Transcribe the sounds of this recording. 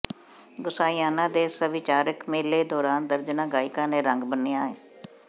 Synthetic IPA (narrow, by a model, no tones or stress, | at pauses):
ɡʊsaːijaːnãːd̪eːsəʋɪt͡ʃaːɾəkmeːleːd̪ɔːɾaːnd̪əɾd͡ʒnãːɡaːɪkãːneːɾəŋɡbənːijãːɦeː